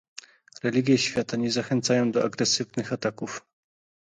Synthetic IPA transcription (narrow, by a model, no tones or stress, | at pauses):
ɾɛlʲiɡʲjɛɕfʲjat̪aɲɛzaxɛnt̪sajɔ̃w̃d̪ɔaɡɾɛsɘvnɘxat̪akuf